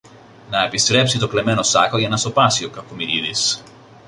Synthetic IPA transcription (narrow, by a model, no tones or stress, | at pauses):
nɐepist̪ɾe̞psit̪okle̞me̞nosɐxoʝɐnɐst̪o̞pɐsiokɐkomiɾiðḭs